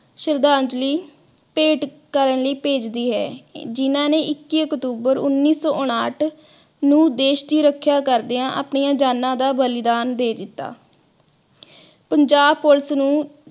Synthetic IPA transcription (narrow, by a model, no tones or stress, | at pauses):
ʃəɾd̪aːɲd͡ʒliː | peːʈ | kəɾənləiːpeːd͡ʒd̪iːɦɛ̰ːd͡ʒɪnãːneːʔɪkːiːəkt̪uːbəɾʊnːiːsɔːʔʊɽaːʈʰ | nũːd̪eːʃd̪iːɾəkʰːjaːkəɾd̪eːãːʔa̰ːpɳiːãːd͡ʒaːnːãːd̪aːbəlɪd̪aːnd̪eːd̪ɪt̪ːa̰ː | pəɲd͡ʒaːbpolsnũː